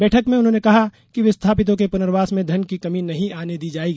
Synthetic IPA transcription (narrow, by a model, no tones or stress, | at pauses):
bɛːʈʰəkmẽʊnɦõnekɐɦa | kiʋɪst̪ʰaːpɪt̪̬õkepʊnəɾʋaːsmẽd̪ʱɐnkikɐminɐɦĩaːned̪iːd͡ʒaːeːɡi